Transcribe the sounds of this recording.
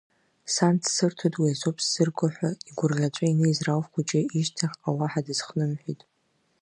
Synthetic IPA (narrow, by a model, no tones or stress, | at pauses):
santʰsɨrtʰotʼwiazopʰʼsz̥ɨrɡʷaħʷᶣaiɡʷʊrʁʲat͡ʃʷʼainejzrawvχʷʊt͡ʃʼɪiʃtʰaħawaħadɨz̥χnɨmħʷᶣitʼ